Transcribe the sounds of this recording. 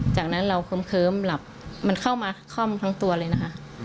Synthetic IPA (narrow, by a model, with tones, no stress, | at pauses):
t͡ɕaː˨˩k̚na˦˥nɾa˧wkʰɤː˧˥mkʰɤː˧˥mla˨˩p̚ma˧nkʰa˥˩wmaː˧kʰɔ˥˩mt̪ʰa˦˥ŋt̪u˧ɐlɤː˧jna˦˥kʰa˦˥ʔ